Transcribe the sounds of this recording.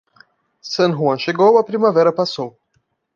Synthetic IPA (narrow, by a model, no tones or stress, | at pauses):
sɐ̃nɦuɐ̃ʃeɡowɐpɾimavɛɾɐpasow